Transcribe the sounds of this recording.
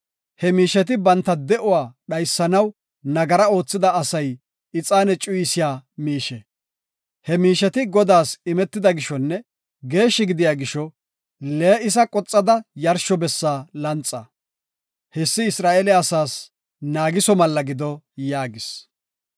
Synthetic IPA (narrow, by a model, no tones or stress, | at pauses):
hɛmiːʃɛt̪ɪbɐnt̪ːɐd̪ɛʔʊwaːɗɐjsːɐnɐw | nɐɡɐɾɐo̞ːt͡sːɪd̪ɐːsɐj | ɪt͡sʼaːnɛt͡ʃʼʊjɪsɪjaːmiːʃɛ | hɛmiːʃɛt̪ɪɡɔd̪aːsɪmɛt̪ːɪd̪ɐɡɪʃɔnːɛ | ɡe̞ːʃːɪɡɪd̪ɪjaːɡɪʃɔ | leːɪs̬ɐkʼɔt͡sʼːɐd̪ɐjɐɾʃɔbɛsːaːlɐnt͡sʼːɐ | hɛsːɪɪsɾaːelɛɐsaːs | naːɡɪsɔmɐlːɐɡɪd̪ɔ | jaːɡɪs